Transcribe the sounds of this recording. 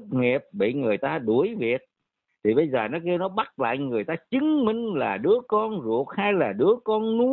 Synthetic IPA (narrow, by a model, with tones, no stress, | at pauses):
t̚ŋi˨˩əp̚ɓḭ˧˨ŋɨ˨˩əjt̪aː˧ɗu˧˩˦əjvi˨˩ət̚ | t̪ʰi˨˩ɓə˧jzəː˨˩nɔ˨˦ki˧wnɔ˨˦ɓa˦˥t̚la̰ː˧˨jŋɨ˨˩əjt̪aː˧t͡ɕɨ˨˦ŋmï˧ŋ̟laː˨˩ɗɨ˨˦əkɔ˧nzṵ˨˩ək̚ha˧jlaː˨˩ɗɨ˨˦əkɔ˧nːu˨˦˥